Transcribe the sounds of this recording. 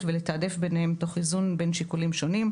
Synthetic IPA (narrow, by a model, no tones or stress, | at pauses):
velet̪aːd̪efbenehemt̪o̞χizunbe̞nʃikulimʃo̞nim